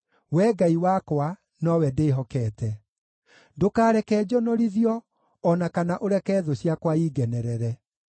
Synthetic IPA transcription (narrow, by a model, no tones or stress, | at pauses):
wɛɡaiwakwa | nɔwɛdeːɦɔkɛːtɛ | dokaːɾɛkɛːd͡ʒɔnɔɾiðiɔː | nakanaʔoɾɛkɛːðoɕjakwaiːɡɛnɛɾɛɾɛ